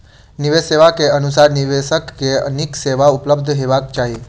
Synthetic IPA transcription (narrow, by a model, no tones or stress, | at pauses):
niʋeseʋakeənusaɾniʋeʃəkːeə̰nikseʋaʊpləb̚d̪ʱɦeʋakt͡ʃaɦe